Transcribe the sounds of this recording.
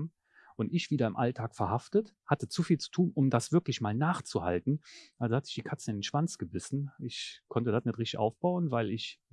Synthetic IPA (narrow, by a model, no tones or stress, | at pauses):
ʔʊntɪçv̥iːdɐɪmʔaltʰaːkfɛɐhaftəthatət͡sufiːlt͡su̥tʰuːnʔʊmdasv̥ɪɐklɪçmaːlnaːχt͡suha̰ltn̩ʔalzohatə̥zɪ̥çd̥iːkʰat͡sənɪndenʃv̥ant͡sɡ̥əbɪsn̩ɪçkʰɔntədatnɪtʁɪçtɪçʔa̰ʊfb̥aʊənvaɪlɪç